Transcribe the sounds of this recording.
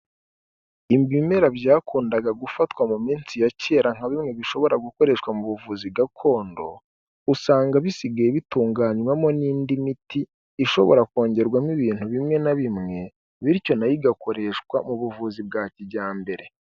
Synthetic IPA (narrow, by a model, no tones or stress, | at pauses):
imbimeɾabɟaːkuːndaɡaɡufatkwamumiːnsijace̞ːɾaŋ̥aβimŋe̞βiʃo̞βo̞ɾaɡuko̞ɾe̞ʃkwamuβuvuziɡakʰo̞ːndo̞ | usaːŋɡaβisiɡajeβituːŋɡaːɲwamo̞niːndimitiː | ʃo̞̰βo̞ɾako̞ːɲɟe̞ɾɡwamiβiːn̥huβimŋe̞naβimŋe̞ | βiɾco̞najiɡako̞ɾe̞ʃkwamuβuvuzibɡaːciɟaːmbe̞ɾe̞